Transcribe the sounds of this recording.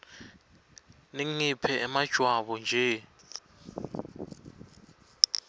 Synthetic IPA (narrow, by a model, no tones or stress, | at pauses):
niŋipʰɛʔɛmad̥ʒ̥ʱwaɓɔnd͡ʒʱɛ